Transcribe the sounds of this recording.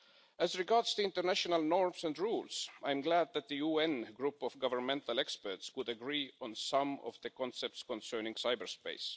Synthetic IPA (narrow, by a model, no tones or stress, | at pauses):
æzɹɪɡɑɹdz̥ðiɪ̃ntəɹnæʃɔnəlˠnɔɹmsæ̃ndɹulsʔaɪ̃mɡlæd̪̚ðæt̪̚ðɨjuɛ̃nɡɹupɔvɡʌvə˞mɛ̃nt̪alˠɛkspə˞tswʊdəɡɹiːɔ̃nsʌ̃mɔ̰vðəkʰɔ̃nsɛp̚tskɔ̃nsɜ˞nɪ̃ŋsaɪbəɹspḛɪs